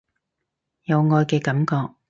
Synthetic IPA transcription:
jɐ˨˧wŋɔː˧jkɛː˧kɐ˨˥mkɔː˧k̚

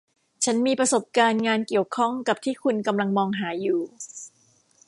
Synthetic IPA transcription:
t͡ɕʰa˦˥nmiː˧pɾa˧so˨˩p̚kaː˧nŋaː˧nki˨˩əwkʰɔ˥˩ŋka˨˩p̚t̪ʰiː˥˩kʰu˧nka˧mla˧ŋmɔː˧ŋɦaː˩˦juː˨˩

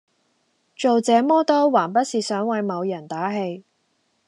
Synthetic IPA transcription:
t͡ʃo˨wt͡sɛː˨˧˥mɔː˥t̪ɔː˥waː˨˩npɐ˥t̚siː˨sœː˨˥ŋwɐ˨˧jmɐ˨˧wjɐ˨˩nt̪aː˨˥ɦe˧j

